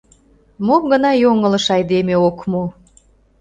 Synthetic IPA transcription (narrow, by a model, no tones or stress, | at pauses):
momɡənɑjoŋələ̆ʃɑjd̪emeokmo